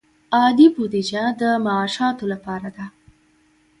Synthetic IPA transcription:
ɑd̪ibud̪id͡ʒad̪əmaːʃɑt̪olapɑɾad̪a

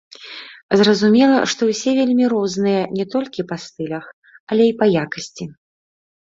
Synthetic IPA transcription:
zrɐzumʲɛlˠɐʂt̪ɔwsʲɛvʲelʲmʲiɾɔznɨjɐnʲɛt̪ɔlʲkʲipast̪ɨlʲɐx | ɐlʲɛipɐjakɐsʲt͡sʲi

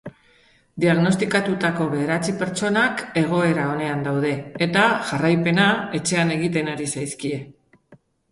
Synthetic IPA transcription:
d̪iaɣno̞st̪ikat̪ut̪ako̞βe̞eɾat͡sipe̞ɾt͡ʃo̞nake̞ɣ̞o̞e̞ɾao̞ne̞and̪awð̞e̞ːt̪aʝarajpe̞nae̞t͡ʃe̞ane̞ɣ̞it̪e̞naɾisajskie̞

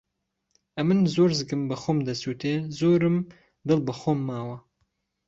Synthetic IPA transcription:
ʔɐmɨnzoːɾzɨɡɨmbɐxoːmd̪ɐsuːt̪ʰeːzoːɾɨm | d̪ɨlˠbɐxoːmːaːwɐ

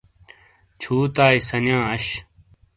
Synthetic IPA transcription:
t͡ɕʰuːt̪aːisɐnjãːɐɕ

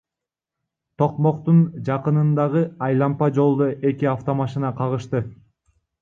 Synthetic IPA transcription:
t̪ʰo̞qmo̞qt̪und͡ʒɑqɯnɯnd̪ɑʁɯɑjlˠɑmpɑd͡ʒo̞lˠd̪oʔe̞kiaft̪o̞mɑʃinɑqʰɑʁɯʃt̪ɯ

